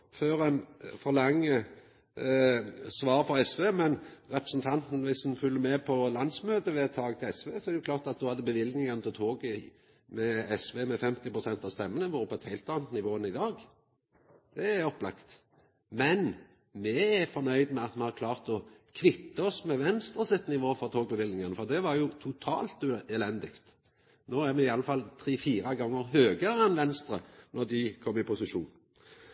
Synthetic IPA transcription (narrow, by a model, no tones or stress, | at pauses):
føːɾɛɪnfɔɾlɑŋːə | sʋɑːɾfɔɾɛsʋeːmɛnʁɛpɾəsn̩t̪ʰɑnt̪n̩ʋɪsd̪ʉnfʉlːəmɛpʰɔlɑnd̪smøːt̪əʋɛɛt̪ʰːɑːɡt̪ɪlɛsʋeːsɔɛɾɛjʊkʰlɑːʁt̪ɑt̪̚d̪ʊhɑd̪əbəʋɪld̪nɪŋɑnət̪ɪt̪ʰoːɡə | mɛɛsʋeːmɛfɛmt̪ɪpɾʊsɛnt̪ɑʋst̪ɛmːənəʋɔːɾəpʰːɔɛt̪hæɪlt̪ɑːnət̪nɪʋoːənəɪd̪ɑːɡ | d̪̥ɛæɔpːlɑkt̪ | mɛn | mɛæfɔɾnœʏd̪mɛɑt̪mɛhɑʁkʰlɑːʁt̪ɔkʰʋɪt̪ːəɔsmɛʋɛnst̪ɾəsɪt̪nɪʋoːfɔʁt̪ʰoːɡ̚bəʋɪlnɪŋənəfɔʁd̪ɛʋɑɾjʊt̪ʰʊt̪ʰɑ̰ːlt̪ːɛlɛnd̪ɪkt̪ | noːæɾmɛɪɑlːəfɑlt̪ʰʁiːfiːɾɑɡɑŋːəʁhøːɡəɾəɛnʋɛnst̪ɾənɔʁd̪ɪkʰɔmːɪpʰʊsɪʃuːn